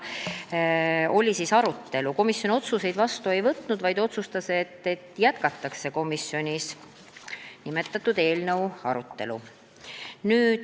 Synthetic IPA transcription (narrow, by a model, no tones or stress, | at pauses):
o̞lʲisisɑɾut̪ːe̞luko̞misjonio̞t̪suse̞jd̪vɑst̪ue̞jvɤt̪ːnud̪vɑjd̪o̞t̪sust̪ɑseet̪ːe̞t̪ːjæt̪̚kɑt̪ˑːɑkse̞ko̞misjo̞nʲis | nimet̪ːˑɑt̪ːˑud̪̥e̞ːlnəwɑ̰ɾut̪ːe̞̰lṵ | nyːd̪̥